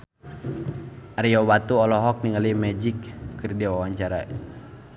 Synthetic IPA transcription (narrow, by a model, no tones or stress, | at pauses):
aɾiɔwat̪uɔlɔɦɔk̚niŋalimɛd͡ʒikːɨrdiawawaɲt͡ʃaɾa̰